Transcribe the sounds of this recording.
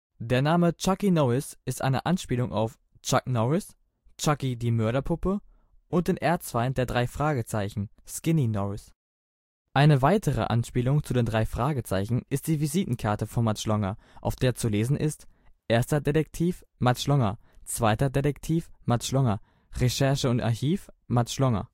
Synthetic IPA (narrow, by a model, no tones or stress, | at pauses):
d̥eːɐnaːmət͡ʃakinɔɪsʔɪstʔa̰ɪnə̰ʔanʃpiːlʊŋʔa̰ʊf | t͡ʃaknɔɪs | t͡ʃakidiːmœɐɾɐpʰʊpə | ʔʊnt̚d̥eːnʔeːɐt͡sv̥aɪndeːɐdʁaɪfʁ̥aːɡət͡saɪçn̩skɪninɔɪs | ʔaɪnəvaɪtʰəʁə̰ʔa̰nʃpiːlʊŋt͡sudeːndʁaɪfʁ̥aːɡət͡sa̰ɪçn̩ʔɪst̚d̥iːviziːtn̩kʰaɐtəfɔnmat͡ʃlɔŋɐʔaʊfd̥eːɐt͡suleːzn̩ʔɪstʔeːɐstɐdedɛk̚tʰiːf | mat͡ʃlɔŋɐt͡sv̥aɪtɐdedɛktʰiːfmat͡ʃlɔŋɐ | ʁeʃɛɐʃəʊnta̰ɐçiːfmat͡ʃlɔŋɐ̰